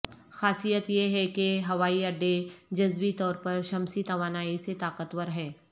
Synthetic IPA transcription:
xaːsijət̪jeɦɛkeɦɐʋaːiɐɖːed͡ʒɐzbit̪ɔːɾpɐɾʃɐmsit̪ɐʋaːnaːiset̪aːkət̪wəɾɦɛː

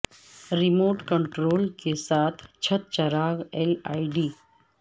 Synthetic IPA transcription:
ɾimoːʈkəɳʈɾoːlkesat̪ʰt͡ɕʰət̪̚t͡ɕəɾaɡela̰jɖiː

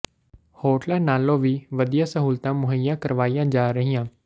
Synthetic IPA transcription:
hoːʈlɛːnaːloːʋiːʋəd̪ijãːsəɦuːlt̪ãːmʊɦəjãːkəɾʋaːijãːd͡ʒaːɾəɦiːãː

